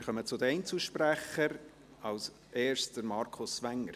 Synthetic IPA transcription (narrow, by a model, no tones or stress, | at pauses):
ɾχœmət͡sʊd̪əɛɪnt͡suʃpɾæχəɾ | ɑls | ʔeːɾstd̥əɾmɑɾkʰʊsʋæŋːəɾ